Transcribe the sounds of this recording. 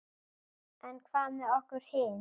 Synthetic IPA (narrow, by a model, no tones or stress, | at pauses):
ʔɛnkʰvaːmɛɔhkʊɾ̥hɪn